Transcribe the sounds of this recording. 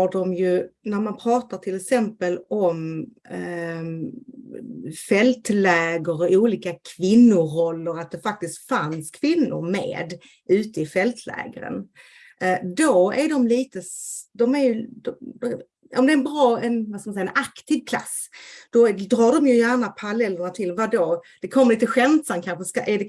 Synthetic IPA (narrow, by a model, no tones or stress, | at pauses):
haɖɔmjɵnæɾmanpʰɾɑːt̪aʈʰɪlːɛksɛmpəlɔm | fɛlt̪lɛːɡəɾɔuːliːkakʰvɪnːʊɾɔlːəɾat̪̚d̪ɛfak̚t̪ɪst̪fanskʰvɪnːʊ̰ɾmḛːd̪ | ʉ̟ːt̪əɪfɛlt̪ʰlɛ̰ːɡa̰ɾə̰n | d̪ɔæɾɖɔmliːt̪əsd̪ɔmæɾjɵd̪ɔd̪ɔ | ɔmd̪ɛːɾɛnbɾɑːɛnvaskamansɛjaɛnakt̪ʰivkʰla̰s | d̪̥ɔd̪ɾɑːɖɔmjɵjæːɾɳapʰaɾalɛlːəɳat̪ʰɪlvad̪od̪̥ɛkʰɔmːəɾliːt̪əɧɛnt̪samkʰanɧəskaʔæɖɛ